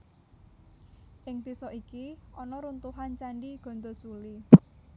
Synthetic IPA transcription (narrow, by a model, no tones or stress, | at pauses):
ʔɪŋd̪̥isɔʔikiɔnɔɾunt̪uɦant͡ʃaɳɖiɡ̥ɔ̤nd̪osuli